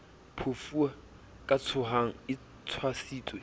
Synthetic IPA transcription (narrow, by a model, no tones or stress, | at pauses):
pʰofua | kʼat͡sʰʊɦaŋ̩ɪ | t͡sʰwasiːt͡sʼwe